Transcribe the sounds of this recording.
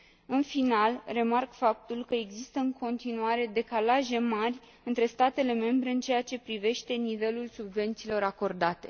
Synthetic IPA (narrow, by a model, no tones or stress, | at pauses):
ɨnfinalre̞markfap̚t̪ulkəe̞ɡzist̪əɨŋkʰo̞nt̪inuaɾe̞d̪e̞kalaʒe̞marʲ | ɨnt̪ɾe̞st̪at̪e̞le̞me̞mbɾe̞ɨnt͡ʃe̞jat͡ʃe̞pɾive̞ʃt̪e̞nive̞lulsubve̞nt̪silo̞ɾako̞rd̪at̪e̞̰